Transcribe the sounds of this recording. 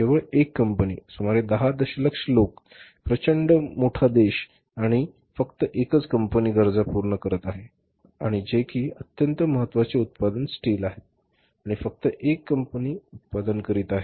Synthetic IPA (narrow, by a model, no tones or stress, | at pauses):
t̪eʋəɭekːəmpənḭːsumaɾed̪əɦad̪əɕələkʂəlok | pɾət͡ɕəɳɖəmoʈʰad̪eɕ | aɽ̃i | fəkt̪əʔekət͡skəmpəniːɡəɾd͡zapuɾɳəkəɾət̪aɦe | aɽ̃id͡ʑekʰiːət̪jənt̪əməɦət̪ːʋat͡seut̪̚pad̪ənsʈiːlaɦe | aɽ̃ifək̚t̪əʔekːəmpəniːut̪̚pad̪ənkəɾiːt̪aɦe